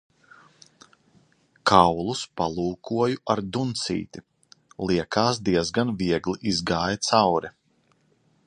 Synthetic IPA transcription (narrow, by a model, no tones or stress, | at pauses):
kʰawlˠuspalˠuːkʰuɔjuaɾd̪unt̪sḭːt̪i | lˠiɛkʰaːsd̪iɛzɡanviɛɡlˠiʔizɡaːjat̪sawɾɛ